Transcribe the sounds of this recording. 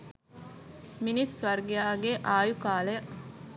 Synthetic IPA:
minisʋɐrɡijaːɡeʔaːjukaːləjə

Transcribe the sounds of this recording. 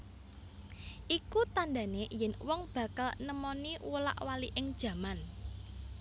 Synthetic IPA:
ʔikut̪anda̤nejɛnwɔŋb̥a̤kalnəmɔniwula̰ʔwaliʔɪŋd̥ʒ̥ä̤man

